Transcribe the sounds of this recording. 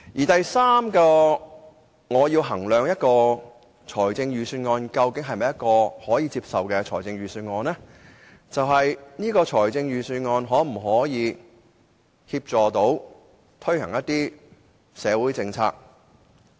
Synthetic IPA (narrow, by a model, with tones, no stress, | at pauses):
jiː˨˩t̪ɐ˨jsaː˥mkɔː˧ | ŋɔː˨˧jiː˧wɦɐ˨˩ŋlœː˨ŋjɐ˥t̚kɔː˧ | t͡ʃʰɔː˨˩jt͡sɪ˧ŋɥyː˨˩syː˧nŋɔː˧nkɐ˧wkɪ˨˥ŋɦɐ˨jmɐ˨jɐ˥t̚kɔː˧hɔː˨˥jiː˧t͡siː˧p̚sɐ˨wkɛː˧t͡ʃʰɔ̰ː˨˩jt͡sɪ˧ŋɥyː˨˩syː˧nŋɔː˨˧nlɛː˥ | t͡sɐ˨wɦɐ˨jniː˥kɔː˧t͡ʃʰɔː˨˩jt͡sɪ˧ŋjyː˨syː˧nŋɔː˧nɦɔː˨˥m̩˨˩ɦɔː˨˥jiː˨˧ | hiː˧p̚t͡sɔː˨t̪o˨˥w | t̪ʰɵ˥ɥhɐ̰˨˩ŋjɐ˥t̪̚iː˥ | sɛː˨˧wuː˨˥jt͡sɪ˧ŋt͡sʰa̰ː˧k̚